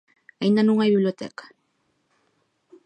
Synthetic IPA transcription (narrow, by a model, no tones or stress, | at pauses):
ajnanʊŋajbibleot̪ḛkḁ